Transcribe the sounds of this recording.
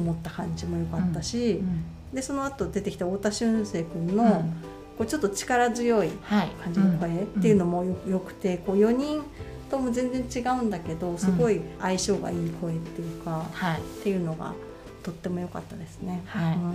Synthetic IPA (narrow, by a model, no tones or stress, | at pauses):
omo̞t̪ːakãɲ̟d͡ʑimo̞jo̞kat̪ːaɕi | d̪e̞so̞no̞at̪o̞d̪e̞t̪e̞kʲi̥t̪aoːt̪aɕɨ̃ɰse̞ːkɯ̟̃nːo̞ | ko̞ːt͡ɕo̞t̪ːot͡ɕi̥kaɾazɨjo̞iakãɲ̟d͡ʑinoko̞e̞t̪ːe̞jɯ̟no̞mo̞jojo̞kɯ̟̥t̪e̞ko̞ːjo̞ɲ̟ĩn | t̪o̞mo̞zẽ̞nd͡zẽ̞ɲ̟t͡ɕiɡaɯ̟̃nd̪ake̞d̪o̞sɨɡo̞iaiɕo̞ːɡa̰iːkʰo̞e̞t̪ːe̞jɯ̟kahat̪e̞jɯ̟ːno̞ɡa̰ | t̪o̞t̪ːe̞mo̞jo̞ka̰t̪ːad̪e̞sɨne̞haiɯ̟̃